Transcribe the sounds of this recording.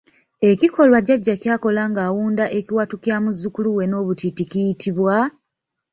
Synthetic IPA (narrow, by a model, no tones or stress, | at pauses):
e̞ciko̞lwaɟaɟːacjaːko̞laŋɡaːwuːndaʔe̞ciwatucjamuzːukuluwe̞no̞ːβutiticijitʰiβwa